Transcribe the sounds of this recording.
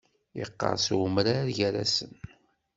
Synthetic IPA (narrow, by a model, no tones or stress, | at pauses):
iqːɑ̰ɾˤsʊmɾaɾʝæɾæ̰sən